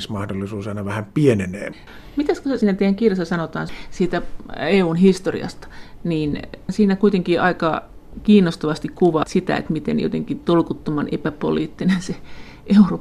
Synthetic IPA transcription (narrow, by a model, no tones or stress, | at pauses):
smɑhdolːˑisuːsɑˑinɑʋæhæmpienenḛː | mit̪æskosæsiːnæt̪eijːæŋkirjɑsːɑsɑnot̪ɑ̰ːnsiːt̪æeːuːnhist̪orḭɑ̰st̪ɑ̥niːnsiːnækuit̪eŋkiʔɑikɑ | kiːnːˑost̪oʋɑst̪ikkuʋɑt̪sit̪æ̰ḛt̪mit̪ḛnjo̰t̪ḛŋkit̪olkut̪ːomɑnʔepæpo̰liːt̪ːinense | ʔeuro